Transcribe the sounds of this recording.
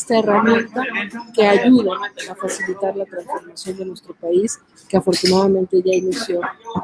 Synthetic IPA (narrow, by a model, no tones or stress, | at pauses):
st̪aeramje̞nt̪ake̞aʝuðaafasilit̪aɾlat̪ɾansfo̞ɾmasjo̞nd̪e̞nwe̞st̪ɾo̞pais | keafo̞ɾt̪unaðamẽnt̪e̞ʝainisjo̞